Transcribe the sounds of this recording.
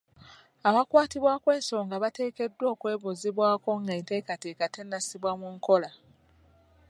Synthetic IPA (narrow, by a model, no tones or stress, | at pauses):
aβakwaːtiβwakwe̞ːso̞ːŋɡaβate̞ːke̞dːwo̞ːkwe̞ːβuziβwaːko̞ŋɡaente̞kate̞ːkate̞nːasiβwamuŋko̞la